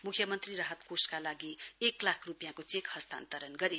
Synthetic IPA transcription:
mukʰjʌmʌnt̪riɾaɦʌt̪koskalaɡieklakʰrupijãkot͡sekhʌst̪a̰nt̪ʌɾʌnɡʌɾi

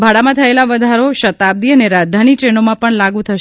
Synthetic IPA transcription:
bʱaɽamãt̪ʰəelaʋəd̪ʱaɾoʃət̪ab̚d̪iəneɾad̪ʱanit͡ʃenomãpəɳlaɡũt̪ʰəʃ

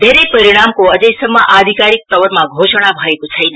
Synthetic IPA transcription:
bʱeɾepəɾiɽ̃amkoəd͡ʒəjsəmaʔad̪ʱikaɾik̚t̪əʋəɾmãɡʱoʃəɽ̃abʱaikut͡ʃʰajn

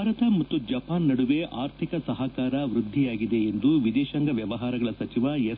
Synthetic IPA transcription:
aːɾɐt̪ɐmɐt̪ːud͡ʒɐpaːnːɐɽuʋe̞ʔaːɾt̪ʰikɐsɐɦɐkaːɾɐʋɾud̪ʱːijaːɡid̪e̞ːnd̪uʋid̪ɛːʃɐŋɡɐʋjɐʋɐɦaːɾɐɡɐɭɐsɐt͡ʃiʋɐje

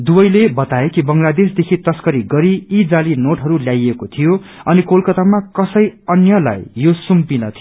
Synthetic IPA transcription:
d̪ubʌjlebʌt̪aekibʌŋlad̪esd̪ekʰit̪ʌskʌɾiɡʌɾiːd͡zalinoʈɦʌɾuljajekot̪ʰijoʌnikolkʌt̪amakʌsʌjʌnjʌla̰jːosumpinʌt̪ʰi

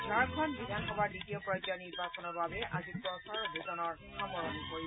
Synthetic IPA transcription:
baɹkʰɔnbidʱanxɔbaɹditiopɹɔjzɔniɹbasɔnɔɹbabɛʔazikɔ̃saɹɔbʱukɔnɔɹ | xamɔɹɔnipoɹi

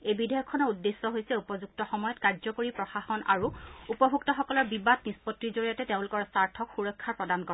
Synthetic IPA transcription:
ejbidʱɔjɔkʰːɔnɔudːesːɔɦojsɛupɔzuk̚tɔxɔmɔjɔtkaɹzɔkoɹipɹɔxaxɔna̰ɹuupɔbʱuktɔxɔkɔlɔɹbibatnispɔtːizoɹijatɛteʊ̃lʊkɔɹsaɹtʰɔkxuɹɔjkʰːaɹpɹɔdankɔ

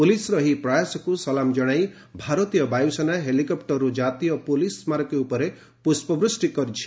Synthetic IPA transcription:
pulisɾɔɦipɾajasɔkusɔlamd͡ʒɔɽ̃aj | bʱaɾɔt̪ijɔbajusɔnaɦelikɔpʈɔɾɾud͡ʒat̪ijɔpulismaɾɔkeupɔɾe | puspɔbɾusʈikɔɾit͡ʃʰi̥

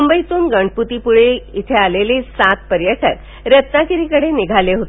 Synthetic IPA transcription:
umbəjt̪uːnɡəɳɖput̪ipuɭeit̪ʰealelisat̪̚pəɾjəʈək | ɾət̪nakiɾikəɽeniɡʱaleɦot̪e

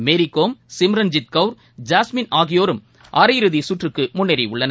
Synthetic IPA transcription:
meːɾɪkːoːmsɪmɾɐnd͡ʒɪt̪̚kɐʊɾ | d͡ʒaːsmɪnaːɣɪjoːɾɯm | ʔaːɾɐjɪɾɯðisʊʈrɯkːɯmʊɳːɛɾiʊɭːɐnɐ

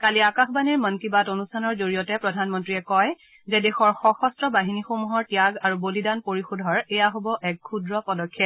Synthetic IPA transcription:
kaliakaxbaniɹmɔnkibatonustʰanɔɹzoɹijɔtɛpɹɔdʱanmɔntɹiɛkɔj | zɛdexɔɹxɔxɔstɹɔbaɦinixomuɦɔɹtijaɡaɹubolidanpoɹixudʱɔɹɛjaɦobɔʔɛk̚kʰudɹɔpɔdɔkʰːɛt̚

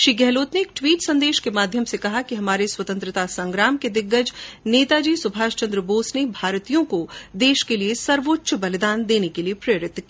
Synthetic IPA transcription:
ʃɾiːɡɛɦloːt̪neːk̚ʈwiːʈsɐ̃nd̪eːʃkemaːd̪ʱjəmsekɐɦakiɦɐmaːɾeswɐt̪ə̃nt̪ɾɪt̪asɐ̃ŋɡɾaːmked̪ɪɡːəd͡ʒneːt̪ad͡ʒiːsʊbʱaːʃt͡ʃɐ̃nd̪ɾəboːsnebʱaːɾt̪ijõkod̪eːʃkeliesɐɾʋoːtːʃʰəbɐlɪd̪aːnd̪eːnekeliepɾeːɾɪt̪ːki

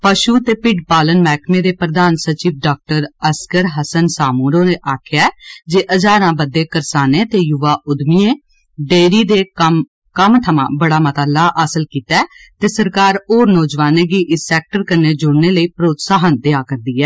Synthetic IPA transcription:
pəʃuːt̪eːpɪɖpaːlənmɛːkʰmẽːd̪eːpɾəd̪aːnsət͡ʃiːʋɖaːk̚ʈəɾəskəɾɦəsənsaːmuːɾõːnẽːʔaːkʰɪjaɛːd͡ʒeːʔəd͡ʒaːɾãːbəd̪eːkəɾsaːneːt̪eːjʊʋaːʔʊd̪miːẽː | ɖeːɾiːd̪eː | kəmt̪ʰəmã̰ːbəɽaːmət̪aːlaːʔəsəlkiːt̪ɛːt̪eːsəɾkaːɾoːɾnɔːd͡ʒʋaːneːɡiːʔɪsɛːk̚ʈəɾkəɾneːd͡ʒʊɽneːləiːpɾoːt̪saːɦənd̪ɪaːkəɾd̪iːɛː

